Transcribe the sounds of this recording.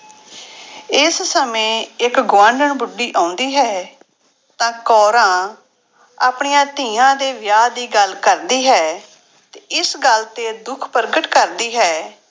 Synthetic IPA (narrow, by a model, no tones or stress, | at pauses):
ɪssəmẽːɪkɡʋãːɳɖəɳbʊɖːiːʔãːʊnd̪iːɦɛː | t̪ãːkɔːɾãː | aːpɳijãːt̪iːãːd̪eːʋjaːd̪iːɡəlkəɾd̪iːɦɛː | t̪eɪsɡəlt̪eːd̪ʊkʰpəɾɡəʈkəɾd̪iːɦɛː